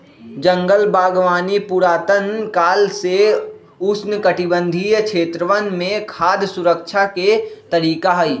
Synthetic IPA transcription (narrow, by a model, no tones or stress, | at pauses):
d͡ʒə̃ŋɡəlbaːɡʋaːnipuɾaːt̪ənkaːlse | ʊsnkəʈɪbə̃nd̪ʱijkʃʰeːt̪ɾəʋənmẽkʰaːd̪sʊɾəkʃʰaket̪əɾiːkaɦəi